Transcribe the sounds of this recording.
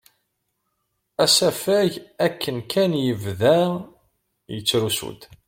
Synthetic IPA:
æsæfæʝækʰːənkʰænjəvðæ | jət͡sːɾusṵd̪

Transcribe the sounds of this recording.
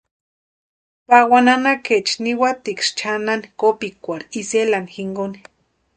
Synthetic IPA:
pawananaket͡ʃniwat̪ikʂt͡ʃʰananikopikʷaɾiselanixiŋɡoni̥

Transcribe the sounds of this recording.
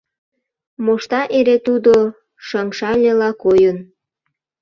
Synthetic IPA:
moʃt̪ɑʔeɾet̪ud̪o | ʃəŋʃɑlʲelɑkojən

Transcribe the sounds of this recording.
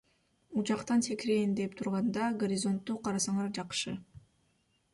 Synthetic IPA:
ut͡ʃɑqt̪ɑnt̪ʰekɾejnd̪ep̚t̪ʰuɾʁɑnd̪ɑɡoɾʲɪzo̞nt̪ːuːqʰɑɾɑsɑɴɑɾd͡ʒɑqʃɯ

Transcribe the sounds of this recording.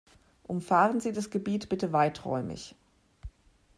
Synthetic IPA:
ʔʊmfaːʁənziːdasɡ̥əbiːtb̥ɪtəvaɪtʁ̥ɔ̰ʏmɪ̰ç

